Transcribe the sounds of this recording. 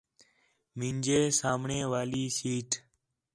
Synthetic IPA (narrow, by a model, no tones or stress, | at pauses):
mind͡ʒeːsaːmɳẽːʋaːliːsiːʈ